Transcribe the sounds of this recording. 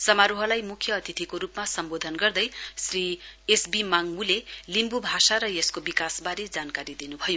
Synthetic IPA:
sʌmaɾuɦʌlajmukʰjʌːt̪ʰit̪ʰikoɾupmasʌmbod̪ʱʌnɡʌrd̪ʌjsriesbimaŋmulelimbubʱasaɾʌjeskobikasbaɾed͡zankaɾid̪inubʱʌjo

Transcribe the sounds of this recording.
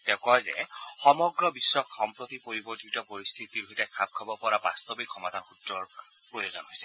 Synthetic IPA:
tɛʊ̃kɔjzɛ̰xɔmɔɡɹɔbisːɔkxɔmpɹot̪ipoɹibɔtʰitɔpoɹist̪ʰitiɹuɦitɛkʰab̚kʰabɔpɔɹaba̰st̪obikʰːɔmadʱanxutɹɔɹ | pɹojozɔnɦojsɛ̥

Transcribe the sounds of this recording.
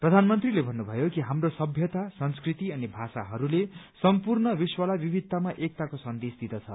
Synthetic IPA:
prʌd̪ʱanmʌnt̪rilebʱʌnːubʱʌjokiɦamrosʌbʱjʌt̪asʌnskrit̪iʌnibʱasa̰ɦʌɾulesʌmpurnʌbiswʌlabibʱid̪̚ːamaʔek̚t̪akosʌnd̪esd̪id̪ʌt͡sʰʌ

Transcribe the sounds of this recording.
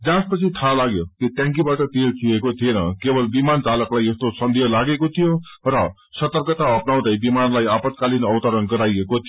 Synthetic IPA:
d͡zãspʌt͡sʰit̪ʰalaɡjot̪ot̪jãŋkjibaʈʌt̪elt͡suekot̪ʰienʌ̰kebʌlbimant͡salʌklajest̪osʌnd̪ʱijʌlaɡekot̪ʰijo | rʌ | sʌt̪ʌrkʌt̪aʌpnaw̃d̪ʌjbimanlajapʌt̪kalinʌwt̪ʌɾʌnɡʌɾajekot̪ʰi

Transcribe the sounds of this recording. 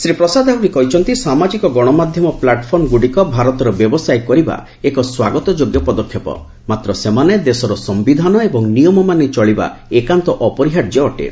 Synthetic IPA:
sɾipɾɔsad̪ʱaɦuɾikɔɦit͡ʃʰɔnt̪isamad͡ʒikɔɡɔɽ̃ɔmad̪ʱjɔmɔplaʈpʰɔɾmɡuɽikɔbʱaɾɔt̪ɔɾɔbjɔbɔsajkɔɾiba̰ | ekɔswaɡɔt̪ɔd͡ʒoɡjɔpɔd̪ɔkʰːjɔpɔ̰ | mat̪ɾɔsemaned̪esɔɾɔsɔmbid̪ʱanɔebɔŋnijɔmɔmanet͡ʃɔɭiba̰ekant̪ɔʔɔpɔɾiɦaʈd͡ʒeɔʈḛ

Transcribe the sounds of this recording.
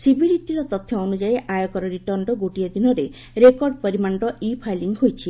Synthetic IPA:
sibiɾiʈiɾɔt̪ɔt̪ʰːjɔonud͡ʒaeʔajɔkɔɾɔɾiʈɔɾɳɖɔɡoʈijad̪inɔɾe | ɾekɔɾɖpɔɾimaɳɖɔʔipʰajliŋɡɦojt͡ʃʰi

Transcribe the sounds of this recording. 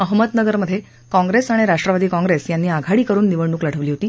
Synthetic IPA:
əɦməd̪nəɡəɾməd̪ʱːje | kɔ̃ŋɡɾesaɽ̃iɾaʂʈɾəʋad̪iːkɔ̃ŋɡɾesjanːiːaɡʱaɽiːkəɾuːnːiʋəɽɳuːkləɽ̤əʋliːɦot̪iː

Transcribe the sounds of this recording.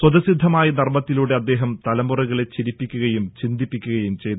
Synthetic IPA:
swɐðɐsid̪ʱːɐmaːjɐnɐrmɐt̪ːiluːɽe̞ɐd̪ːe̞ːɦɐmt̪ɐlɐmuriɣɐɭe̞t͡ɕiɾipːikʲːuɣɐjumt͡ɕind̪ipːikʲːuɣɐjumt͡ɕe̞jn

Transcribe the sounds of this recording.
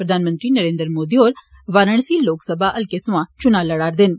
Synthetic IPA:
pɾəd̪aːnmə̃nt̪ɾiːnəɾẽːnd̪əɾmoːd̪iːoːɾ | ʋaːɾəɳsiːloːksəbʱaːʔəlkesʋãːt͡ʃʊnaːləɽaːɾd̪ɪn

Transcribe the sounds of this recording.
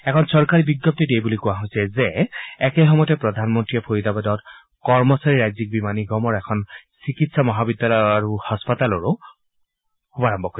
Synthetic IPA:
ɛkʰɔnsɔɹkaɹibiɡjɔp̚titejbulikʊwaɦojsɛzɛːkɛɦɔmɔjɔtɛpɹɔdʱanmɔntɹijɛpʰoɹidabadɔt̚ | kɔɹmɔsaɹiɹajzik̚bimaniɡɔmɔɹɛkʰɔnsikitsamɔɦabidːalɔjaɹuhaspatalɔɹʊ | xubaɹambʱɔkoj

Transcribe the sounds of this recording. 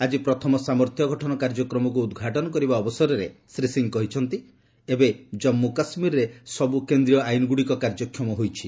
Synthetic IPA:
ad͡ʒipɾɔt̪ʰɔmɔsamɔɾt̪ʰjɔɡʱɔʈʰɔnɔkaɾd͡ʒɔkɾɔmɔk̬uːd̪ɡʱaʈɔnɔkɔɾibaɔbɔsɔɾɔɾesɾisiŋkɔɦit͡ʃʰɔnt̪i | ebed͡ʒɔmːukasmiɾɾesɔbukend̪ɾijɔajnɔɡuɽikɔkaɾd͡ʒɔkʰːjɔmɔɦojt͡ʃʰi

